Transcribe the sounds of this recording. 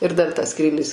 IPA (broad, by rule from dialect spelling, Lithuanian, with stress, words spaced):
ɪr dɐr tɐs ˈskrʲiːlʲɪs